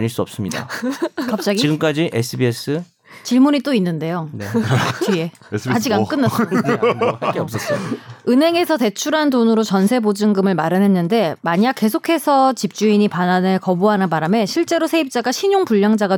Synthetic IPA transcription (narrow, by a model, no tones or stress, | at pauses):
ɲiɭs͈uʌp̚s͈ɯmɲida̰kap̚t͡ɕ͈aɡit͡ɕiiɡɯmk͈ad͡ʑiʔesʰɯbies͈ʰɯ | t͡ɕiɭmuɲit͈oinːɯnde̞jonet͡ɕie̞ | ad͡ʑiɡank͈ɯnːas͈ | keʌs͈ʌs͈oɯnɦe̞ŋe̞sʰʌte̞t͡ɕʰuɾɦandonɯɾot͡ɕʌnsʰe̞bod͡ʑɯŋɡɯmɯɭmaɾɯnɦe̞nːɯnde̞maɲak͈̚ːe̞sʰokʰe̞sʰʌt͡ɕip̚t͡ɕ͈uiɲipananɯɭkʌbuɦanɯnbaɾame̞ɕʰiɭt͡ɕ͈e̞ɾosʰe̞ip̚t͡ɕ͈aɡaɕʰiɲoŋpuʎːaŋd͡ʑaɡa